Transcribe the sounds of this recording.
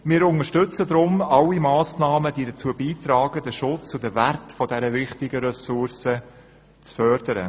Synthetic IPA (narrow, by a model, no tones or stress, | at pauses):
mɪːɾʊnəʃtʏt͡səd̪ɾʊmɑlːimɑːsnɑːməd̥iːdət͡suːəbiːtɾɑːɡədəʃʊt͡sʊdəværtfɔdɛɾəvɪχtɪɡəɾɛsʊɾsə | t͡sfœɾd̥əɾə̰